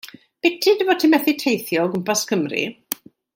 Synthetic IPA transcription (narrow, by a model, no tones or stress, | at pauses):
b̥ɪtʰɨdəvɔtʰɪmɛθitʰejθjɔːɡʊmpʰaskʰəmrḭ